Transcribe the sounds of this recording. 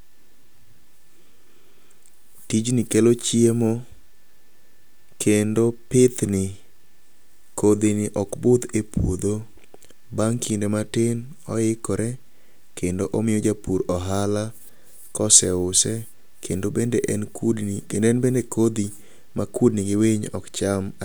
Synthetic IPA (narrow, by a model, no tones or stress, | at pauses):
tid͡ʒnɪkelot͡ʃiemo | kʰendopɪt̪nɪ | kod̪ɪnɪʔɔkbʊd̪epwod̪o | baŋkʰindematɪn | ɔɪkɔɾɛ | kendoʔɔmɪjod͡ʒapuɾɔɦala | kɔsɛʊsɛ | kendoendeʔɛnkendɛnbendekod̪i | makud̚nɪɡɪwɪɲɔ̰kt͡ʃam